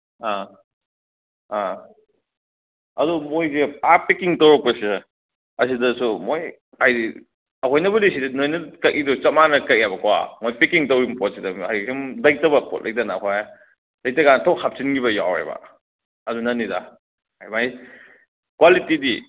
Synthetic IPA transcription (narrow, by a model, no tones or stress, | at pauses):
a | a | ɐdumojzeapikiŋtɐwɾɐk̚pɐse | ɐsidɐsumoj | ajdi | ɐkʰojnɐβɐdisidɐnojnɐkɐkʔidut͡ʃɐmanɐkɐk̚iabɐkowa̰mojpikiŋtɐwɾimpɔt̚sidɐmajkʰimlɐj̚tɐbɐpɔ̰t̚lʔɐ̰j̚tɐnaːkʰoj | lɐj̚tɐɡantʰowhap̚sinɡibɐja̰wɾḛbɐ̰ | ɐdunɐnːidɐ̰ | ajmaj | kwalitidi